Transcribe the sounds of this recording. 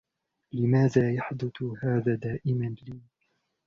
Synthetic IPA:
lɪmaːðaːjaħd̪ʊθhaːðaːd̪aːʔɪmanliː

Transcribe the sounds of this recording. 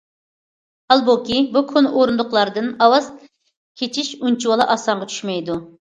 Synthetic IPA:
ɑlˠbokʲibukʰʊnʔoɾund̪ʊqlˠɑɾd̪ɨnɑwɑz | kʲʰet͡ʃʰiʃunt͡ʃʰiwɑlˠɑʔɑsɑɴʁɑt͡ʃʰy̥ʃmɛjd̪u

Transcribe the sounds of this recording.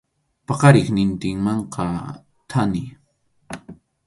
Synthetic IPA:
pɑqɑɾɪχnɪnt̪ɪŋmɑɴqɑ | t̪ʰanɪ

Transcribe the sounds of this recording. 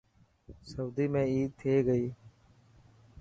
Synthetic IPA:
səbd̪iːmẽːiːd̪̚t̪ʰeːɡəiː

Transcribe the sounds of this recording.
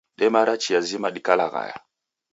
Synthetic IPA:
ɗɛmaɾat͡ʃiazimaɗikalaɣa̰ja̰

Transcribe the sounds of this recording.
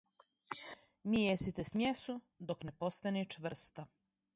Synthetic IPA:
mijesit̪esmjesu | d̪oknepost̪anet͡ʃʋr̩st̪a

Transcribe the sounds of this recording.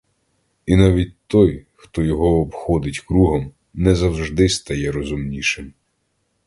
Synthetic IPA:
inɑʋʲit̚ʲt̪ɔj | xt̪ɔjɔɦɔːbxɔd̪ɪtʲkɾuɦɔm | nɛzɐwʒd̪ɪst̪ɐjɛɾɔzumnʲiʃɪm

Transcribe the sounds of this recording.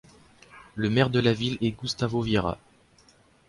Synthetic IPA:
ləmɛʁd̪əlavilɛɡust̪avovjeʁa̰

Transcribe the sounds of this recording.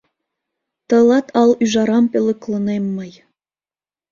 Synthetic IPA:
t̪ɤ̆lˠɑt̪ʰɑlˠyʒɑɾɑmpʲelʲˠɤ̆klˠɤ̆nemːɤj

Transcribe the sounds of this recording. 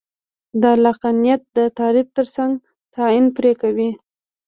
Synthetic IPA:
d̪ɑlaqanijat̪̚d̪ət̪ɑɾɪb̚t̪əɾsaŋɡ | t̪ɑɪnpɾekawi

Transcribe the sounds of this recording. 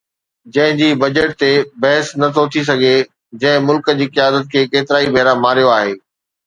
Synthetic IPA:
d͡ʑɐ̃ɦɪ̃d͡ʑiːbɐd͡ʑeʈ̚t̪ebɐɦɪsnɐt̪ʰot̪ʰis̬ɐɡʱe | d͡ʑɐ̃ɦɪ̃mʊlkəd͡ʑiːkijaːd̪ət̪̚kʰeːkeːt̪ɪɾaːibʱɛɦɾamaːɾijoaːɦeː

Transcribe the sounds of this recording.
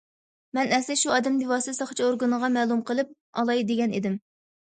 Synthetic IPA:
mɛnɛslɪʃuɑːd̪ɛmd̪iwɑːssɑχt͡ʃʰioɾɡonəʁɑmɛːlˠumqəlˠɨp̚ | ɑ̰lˠɑjd̪eɡʲɛned̪ɪm

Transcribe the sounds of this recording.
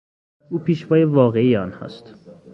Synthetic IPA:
uːpʰiːʃvɒːjevɒːɣeiːjeɒːnhɔ̰ːst̪

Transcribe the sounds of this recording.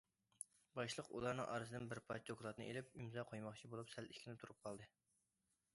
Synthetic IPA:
bɑʃlˠəqṵlˠɑɾnɨ̰ŋʔɑ̰ɾɨzɨd̪ɪnbɪɾpʰɑjt̪̚t̪ʰokʰlˠɑt̪ɨnɨ̰ʔelɪp̚imzɑqʰojmɑχt͡ʃʰibolˠupsɛliʃkʲʰinɪt̪ʰuɾup̚qʰɑlˠd̪ɨ

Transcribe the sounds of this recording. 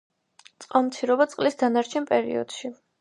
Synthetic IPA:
t̪sʼqʼalˠmt̪sʰiɾɔbat̪sʼqʼlisd̪anaɾt͡ʃʰɛnpʼɛɾḭɔ̰d̪̥ʃi

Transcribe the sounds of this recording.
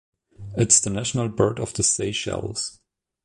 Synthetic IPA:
ɪtsðənæʃnəlˠbɜ˞dɔvðəseɪʃɛ̰lˠz̥

